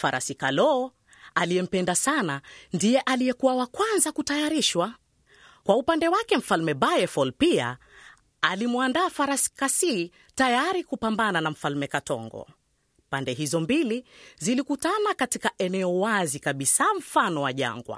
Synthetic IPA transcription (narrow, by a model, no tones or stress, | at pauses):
faɾa̰sikalɔ | aliɛm̩pɛndasanandijɛʔalijɛkuwawakwanzakutajaɾiʃwa | kwaupandɛwakɛm̩falmɛɓajɛfɔlpia̰ | alimwandaːfaɾasi̥kasi | tajaɾikupambananam̩falmɛkatɔ̰ŋɡɔ̰ | pandɛɦizɔmbilizilikutanakatikaʔɛnɛɔwazikaɓisam̩fanɔwaʄa̰ŋɡwa̰